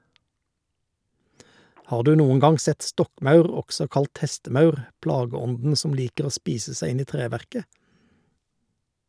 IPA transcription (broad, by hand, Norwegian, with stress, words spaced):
ˈhɑːʁ ˈdʉː ˈnuːən ˈɡɑŋ ˈsɛt ˈstɔkˌmɑʉʁ ˈɔɡsɔ ˈkɑlt ˈhɛstəˌmɑʉʁ ˈplɑːɡəˌɔndn̩ ˈsɔm ˈliːkəʁ ˈoː ˈspiːsə ˈsæɪ ˈɪn ˈiː ˈtʁeːˌʋæʁkə